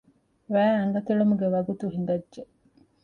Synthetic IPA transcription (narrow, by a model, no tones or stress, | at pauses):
ʋæːɐŋɡɐt̪iɭumuɡeʋɐɡut̪uɦiŋ̆ɡɐdʒe